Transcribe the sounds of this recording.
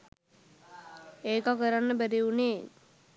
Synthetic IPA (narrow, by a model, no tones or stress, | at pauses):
eːkakəɾanːəbæɾiuneː